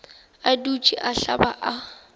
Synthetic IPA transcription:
adut͡ʃʼiʔaɬabaʔa

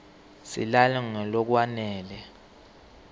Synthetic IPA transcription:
sḭlalɛŋɛlɔk̬wanɛːlɛ

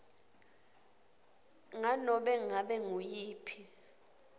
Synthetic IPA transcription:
ŋanɔɓɛŋaɓɛŋujiːpʰi

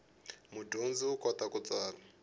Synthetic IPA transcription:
mudund͡ziukʼɔt̪akut͡sʼaːla

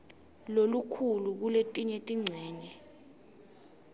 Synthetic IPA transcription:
lolukʰuluk̬uletʼiɲetʼiŋ͡ǀʱɛːɲɛ

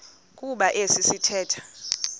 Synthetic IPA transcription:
kʼuɓaʔesisitʰɛːtʰḁ

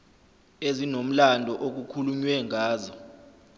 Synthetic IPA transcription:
ezinom̩landʱɔʔok̬ukʰuluɲwɛŋaːzɔ

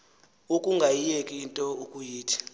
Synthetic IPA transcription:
ukʼuŋɡʱajijekʼiːntʼɔukʼujiːtʰi̥

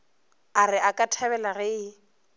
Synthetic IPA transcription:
arɪakʼatʰaβɛlaɣɛ

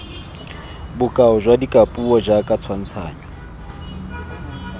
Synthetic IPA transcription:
bʊkʼaɔʒwadikʼapʼuɔd͡ʒakʼat͡sʰwan̩t͡sʰa̰ːɲɔ

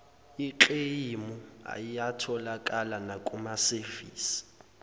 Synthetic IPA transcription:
iǃejimua̰jijatʰɔlakʼalanakʼumaseviːsi̥

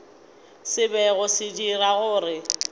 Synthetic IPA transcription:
sɪbɛɣʊsɪd͡ʒiraɣʊːrɪ

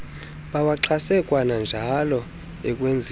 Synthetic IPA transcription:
ɓawaǁʰasɛkʼwanand͡ʒʱalɔ | ɛkʼwend͡zʱ

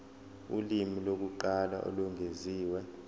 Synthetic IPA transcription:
ṵlimilok̬uǃala̰ʔo̰luŋʱeziːwɛ

